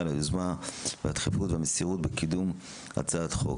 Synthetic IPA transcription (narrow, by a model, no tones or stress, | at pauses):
leduzmaveat̪χifut̪veamesiʁut̪̚bekid̪um | a̰t͡sat̪χo̞̰k